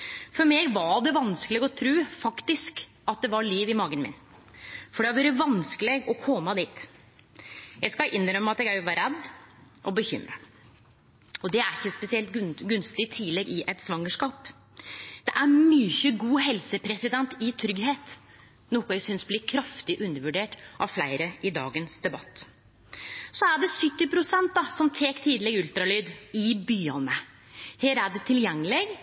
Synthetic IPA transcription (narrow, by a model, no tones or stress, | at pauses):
fɔɾmɛɡʋɑɖ̪ɛʋɑnskəlɪɡɔt̪ʰɾʉːfɑkt̪ɪsk | ɑt̪̚d̪ɛʋɑɭiːʋɪmɑːɡənmɪ̰n | fɔɖɛhɑɾʋæːɾəʋɑnskəlɪɡɔkʰɔmːɑd̪iːt̪ | jæɡskɑʔɪnːɾœmːɑt̪ɛɡæʋɑɾɛd̪ | ʔɔbəçʏ̰mɾə | ɔd̪ɛæɾɪçːəspɛsɪɛlt̪ɡʉnst̪ɪt̪ʰɪlɛɡɪʔɛt̪sʋɑŋːəʂkɑːp | d̪̥ɛʔæɾmyːçəɡuːɦɛlsəpʰɾɛsɪd̪ɛnt̪ɪt̪ʰɾʏɡheːt̪ | nuːkʊæsʏnsblɪːkʰɾɑft̪ɪʔʉnːəɾʋʉɖeːʈʔɑʋflæɪɾəʔɪd̪ɑ̰ːɡənsd̪ɛbɑt̪ː | sɔæɖɛsʏt̪ːɪpʰɾʊsɛnt̪̚d̪ɑsɔmt̪ʰeːkt̪ʰiːd̪lɪɡʉlt̪ɾɑlyːd̪ɪbyːɑnə | heːɾæɖɛt̪ʰɪljɛŋːəlɪɡ